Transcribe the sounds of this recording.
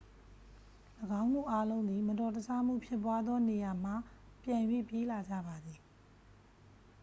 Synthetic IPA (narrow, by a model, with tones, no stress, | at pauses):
ləɡã˦ʊ̃nmṵ˦˨ʔa˦lõ˦ʊ̃nd̪ði˨mə˨tɔ˨tə˨sʰa˦m̥ṵ˦˨pʰjɪ˦p̬ːwa˦d̪ðɔ˦ne˨ja˨m̥a˦˨ | pjã˨jwḛ˦˨pje˦la˨d͡ʑä̰˦˨ba˨d̪ði˨